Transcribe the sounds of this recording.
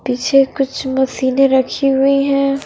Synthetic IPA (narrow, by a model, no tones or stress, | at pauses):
piːt͡ʃʰekʊt͡ʃʰmɐsiːneɾɐkʰiɦʊiɦɛ̃ː